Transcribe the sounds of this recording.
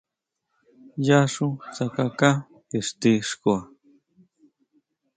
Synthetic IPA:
jaʂut͡sakaka | iʂt̪iʂkua

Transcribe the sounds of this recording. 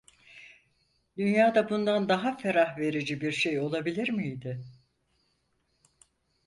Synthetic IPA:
d̪ynjaːd̪abund̪and̪aɦafe̞ɾahve̞ɾid͡ʒibiɾʃe̞jo̞lˠabilʲiɾmijd̪ɪ

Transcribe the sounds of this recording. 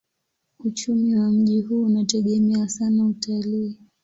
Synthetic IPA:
ut͡ʃumiwam̩ʄiɦuːnatɛɠɛmɛasanautaliː

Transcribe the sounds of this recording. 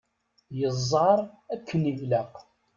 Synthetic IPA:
jəzˤːɑɾˤækʰːənivlaq

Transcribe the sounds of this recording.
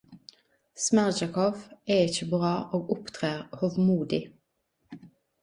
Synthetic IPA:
smæʁd͡ʒɑkʰɔʋeːɪçəbʁɑːʔoːɡʊpt̪ʰʁeːʁhoːʋmuːd̪ɪ

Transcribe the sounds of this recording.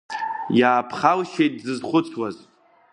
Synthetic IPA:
jaːpʰχalʃejt̚zɨzχʷʊt͡sʰwaz

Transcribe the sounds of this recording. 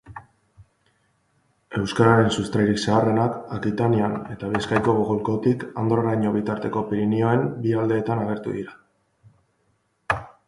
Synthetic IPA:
e̞wskaɾaɾe̞nsust̪ɾajɾiksaːre̞nakakit̪aniane̞t̪aβ̞ie̞skajko̞ɣoɣolko̞t̪ikand̪oaɾajɲo̞βit̪aɾt̪e̞ko̞piɾinio̞e̞mbiald̪e̞ːt̪anaɣ̞e̞ɾt̪ṵðiɾa

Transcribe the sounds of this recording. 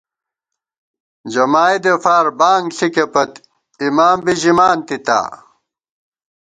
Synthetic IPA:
d͡ʑɐmaːid̪efaːɾbaːŋɡɬikepɐt̪ | imaːmbiʑimaːnt̪it̪a̰ː

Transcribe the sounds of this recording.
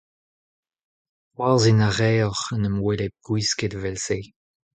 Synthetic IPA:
wazinaʁɛːɔʁənəmwɛlet̚ɡ̥wisketvɛlseː

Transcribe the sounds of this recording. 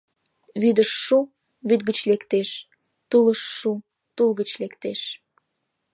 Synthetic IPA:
βyd̪əʃːu | βyd̪̚ɡət͡ɕlekt̪eʃ | t̪uləʃːu | t̪ulɣət͡ɕlekt̪eʃ

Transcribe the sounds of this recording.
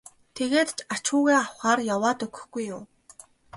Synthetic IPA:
t̪ʰeɣeːt̪t͡ɕat͡ɕʊːɣeːawχaːrjawaːt̪ɵɣɵ̥̆xɡ̥ujːʊː

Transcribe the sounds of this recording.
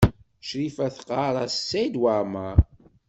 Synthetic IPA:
ʃɾifæθqːɑɾˤɑssːæjd̪waɾmaɾ

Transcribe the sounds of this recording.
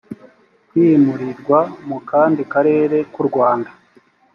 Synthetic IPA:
kwimuɾiɾɡwamukaːndikaɾe̞ːɾe̞kuɾɡwaːnda

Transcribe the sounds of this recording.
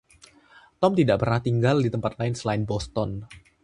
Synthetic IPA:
t̪ɔmt̪idaʔpərnaht̪iŋɡaldit̪əmpat̪̚laɪnsəlaɪnbɔst̪ɔn

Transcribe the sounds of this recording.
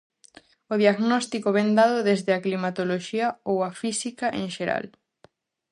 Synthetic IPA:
oðiaɣnɔst̪ikoβɛnd̪aðoðezðeɐklimat̪oloʃiɐowafisikɐʔẽŋʃeɾa̰l

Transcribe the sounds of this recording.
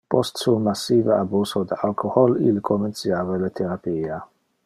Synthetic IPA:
pɔst̪sumasːiːveabuːsod̪alkʰohɔlḭlkʰoment̪sjaːvelet̪ʰɛɾapiːa

